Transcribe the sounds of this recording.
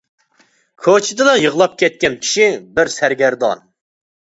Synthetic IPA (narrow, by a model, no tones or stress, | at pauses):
kʰot͡ʃʰɪd̪ɨd̪ɑjəʁlˠɑp̚kʲʰɛt̪̚kʲɛnkʲʰi̥ʃibɪɾsæɾɡʲæɾd̪ɑ̰n